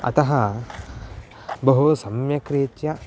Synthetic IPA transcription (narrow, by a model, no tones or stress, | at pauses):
ɐ̰t̪ɐɦɐ | bɐɦusɐmjɐkɾeːt̪jɐ